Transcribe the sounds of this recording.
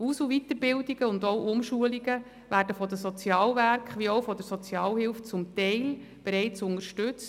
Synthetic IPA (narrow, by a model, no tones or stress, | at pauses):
usuʋit̪əɾbɪldiɡ̥əʊndɔʊʔʊmʃuəliɡə | ʋæːrdəfɔdəsɔt͡sjɑːlʋæɾkχʋiɔwfɔdəɾsɔt͡sjɑːlhɪlft͡sʊmt̪ɛɪl | b̥eɾɛɪt͡sʊnəɾʃtɵt͡s